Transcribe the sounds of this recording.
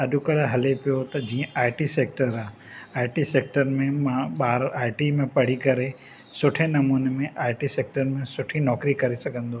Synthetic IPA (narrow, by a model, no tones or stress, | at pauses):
ɐɗʊkɐɾaɦɐlepijot̪ɐd͡ʑiːə̃ʔaːɪʈiseːk̚ʈəɾaː | aːɪʈiseːk̚ʈəɾmẽmãɓaːɾaːɪʈimẽpɐɽ̤ikɐɾe | sʊʈʰenɐmuːnemẽʔaːɪʈiseːk̚ʈəɾmẽsʊʈʰinɔːkɾikɐɾesɐɡʱə̃nd̪oː